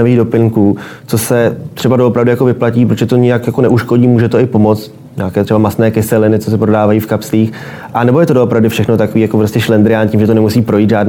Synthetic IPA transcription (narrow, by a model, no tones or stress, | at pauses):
aviːɣdo̞pɪŋkuː | t͡so̞sɛt̪r̥ɛbadoʔopɾavdʊjako̞vɪplaciːpɾoʒɛt̪o̞ɲɪjakjakonɛʔuʃko̞ɟiːmuːʒɛt̪o̞ɪpo̞mo̞t͡st̪ | ɲaːkɛːt̪r̥ɛbamasnɛːkɪsɛlɪnɪt͡sos̬ɛpɾo̞daːvajiːfkapsliːx | ʔanɛbojɛt̪odoʔopɾavdɪfʃɛxnot̪akoviːjakopɾoscɛʃlɛnd̪ɾɪjaːnciːmʒɛt̪onɛmusiːpɾo̞jiːd̪ʒaːdn